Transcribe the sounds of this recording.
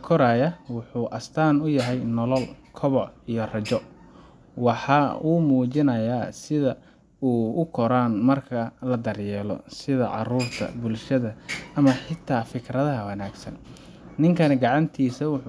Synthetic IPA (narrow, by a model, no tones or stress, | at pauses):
kʰɔɾaːjɐwʊħuːʔɐst̪ʰaːnʊjɐɦɛjnɔlɔlkʰɔβɔʕijɞrɐt͡ʃɔ | wɑħɑuːmuːt͡ʃɪnɐjaːsɪðɐ | uːʊkʰɔɾaːnmɐrkʰɐlɐd̪ɐrjɛːlɔ̰sɪðɐʕɑ̰ruːrt̪ʰɐ̰bʊlʃɐðɐʔɐmɐħɪt̪ʰːaːfɪkʰrɐðɐɦɐwɐnaːɡsɐ̰n | nɪŋkʰɐnɛɡɑʕɑnt̪ʰiːsɐwʊ